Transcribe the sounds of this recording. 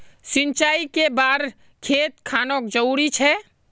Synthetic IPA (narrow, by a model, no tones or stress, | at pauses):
sɪnt͡ʃaːikebaːɾ | kʰeːt̪̚kʰaːnokd͡ʒəuɾit͡ʃʰɛ